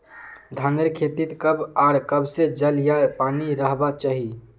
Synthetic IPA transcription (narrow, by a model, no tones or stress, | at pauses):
d̪ʱaneɾkʰet̪it̪kəbaɾkəbsed͡ʒəljapaniɾəɦbat͡ʃaɦi